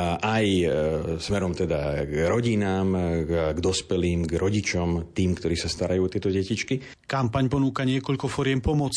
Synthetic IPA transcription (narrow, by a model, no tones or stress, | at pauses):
ʔaj | smɛɾɔmt̪ɛd̪aɡɾɔɟinaːmɡd̪ɔspɛliːmɡɾɔɟit͡ʃɔmt̪iːmkt̪ɔɾiːsast̪aɾajuːɔt̪ɪɛt̪ɔɟɛcit͡ʃki | kampaɲpɔnuːkaɲɪɛkɔʎkɔfɔɾɪɛmpɔmɔt͡s